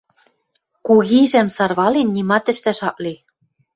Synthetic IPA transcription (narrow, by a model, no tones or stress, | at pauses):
kuɣiʒæmsɑrβɑlenːimɑt̪ɘ̆ʃt̪æʃɑʔli